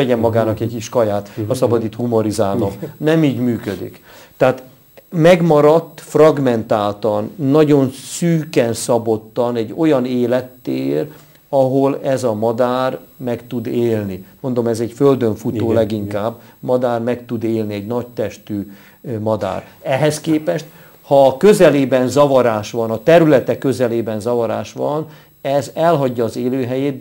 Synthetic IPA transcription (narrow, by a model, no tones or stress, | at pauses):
ɛɟɛmːɒɡaːnɒkɛɟkiʃkɒjaːt̪ɒsɒbɒd̪it̪humoɾizaːlomnɛmiːɟmyːkød̪ḭk | t̪ɛaːt̪ | mɛɡmɒɾɒt̪ːfrɒɡmɛnt̪aːlt̪ɒnːɒɟo̞nsyːkɛnsɒbo̞t̪ːɒnɛɟːo̞jɒneːlɛt̪ːeːr | ɒɦolɛzɒmɒd̪aːrmɛkt̪ud̪eːlnimo̞nd̪o̞mɛzɛcføld̪øɱfut̪oːlɛɡiŋkaːbːmɒd̪aːrmɛkt̪ud̪eːlniɛɟnɒct̪ɛʃt̪yː | mɒd̪a̰ːr | ɛɦɛskeːpɛʃt̪̚ | hɒːkø̞zɛleːbɛnzɒvɒɾaːʃʋɒnɒt̪ɛɾylɛt̪ɛkø̞zɛleːbɛnzɒvɒɾa̰ːʃʋɒ̰n | ɛzɛlɦɒɟːɒːzeːløːɦɛjeːt̪̚